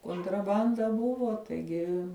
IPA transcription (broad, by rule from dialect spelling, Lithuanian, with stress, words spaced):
koːntrɐˈbɐndɐ ˈbʊʋoː tɐɪˈɡʲɪ